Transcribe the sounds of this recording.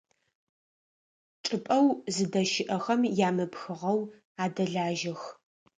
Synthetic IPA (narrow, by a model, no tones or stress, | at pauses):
ʈ͡ʂʼɨpʼɐwzɨdɐʃɪʔɐxɐmjaːmɨpxɨʁɐw | aːdɐɮaːʒɪx